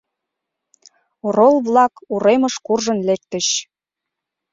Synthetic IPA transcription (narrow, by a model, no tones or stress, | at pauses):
oɾolˠβlɑkuɾeməʃkurʒə̆nlek̚t̪ə̆ɕ